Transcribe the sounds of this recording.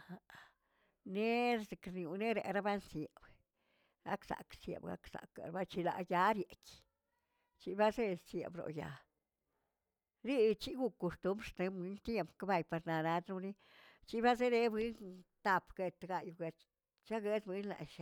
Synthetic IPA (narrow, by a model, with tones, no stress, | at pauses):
ha˨ | ne˦ɾse˨kɾnju˨ne˦ɾḛ˧ɾa˦ba˦nsje˨b | ɡa̰˦ksa̰˨ksjḛ˧˨bɡa̰˦ksa̰˨ka̰˨ɾba˦t͡ʃi˧la̰˧ja˧˦ɾje˨kʲ | t͡ʃi˧˦ba˦ze˦sjḛ˨bɾo̰˨ja̰˨ | ɾi˦˧t͡ʃi˦ɡu˧kːo˧st̪u˦mbɾst̪e˧bi˧˦nt̪je˦mpka˦ba˧jpa˧ɾna˨na˧˦t̪ɾu˧ni˦ | t͡ʃi˦ba˦ze˦ɾe˧bi˧˦nt̪a˨pɡ̥e˧t̪ɡa˧ju˧ɡe˧t̪ | t͡ʃa˦ɡe˦d̪bʷi˦nla̰˨ʃa˧